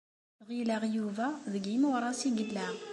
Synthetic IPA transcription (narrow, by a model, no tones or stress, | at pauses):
ʁilæʁjuvæðəɡimuɾˤɑsiɡəlːæ